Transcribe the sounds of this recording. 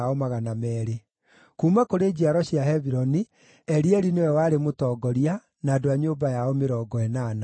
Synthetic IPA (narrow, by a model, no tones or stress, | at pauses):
ɔmaɣanamɛːɾe | kuːmakoɾed͡ʑiaɾɔɕiaɦɛβiɾɔni | ɛɾiɛɾinewɛwaɾemotɔɡɔɾia | naːdoaɲoːbajaɔmeɾɔːɡɔɛnaːna